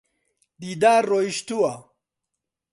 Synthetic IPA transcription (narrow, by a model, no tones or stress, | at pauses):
d̪iːd̪aːɾːoːiʃt̪uwa